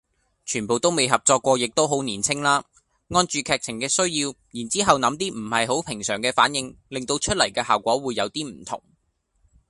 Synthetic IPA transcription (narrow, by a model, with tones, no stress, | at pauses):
t͡ʃʰyː˨˩po˨wt̪o˥wme˨˧jɦɐ˨p̚t͡sɔː˧kʷːɔː˧jɪ˨k̚t̪o˥wɦo˨˥wniː˨˩nt͡sʰɪ˥ŋlaː˥ | ŋɔː˧nt͡ʃyː˨kʰɛː˨˧k̚t͡sʰɪ˨˩ŋkɛː˧sɵ˥ɥjiː˧w | jiː˨˩nt͡siː˥ɦɐ˨wnɐ˨˥mt̪iː˥m̩˨˩hɐ˨jɦo˨˥wpʰɪ˨˩ŋsœː˨˩ŋkɛː˧faː˨˥njɪ˨˧ŋlɪ˨ŋt̪o˧wt͡ʃʰɵ˥t̚lɐ˨˩jkɛː˧ɦaː˨wkʷɔː˨˥wuː˨˧jːɐ˨˧wt̪iː˥m̩˨˩t̪ʰʊ̰˨˩ŋ